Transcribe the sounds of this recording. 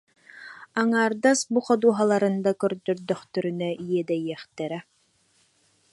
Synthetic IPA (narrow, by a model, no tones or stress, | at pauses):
aŋaːɾd̪asbuχɔd̪uɔɦalˠaɾɯnd̪akœɾd̪œɾd̪œχt̪œɾynœijiɛd̪ɛjiɛχt̪ɛɾɛ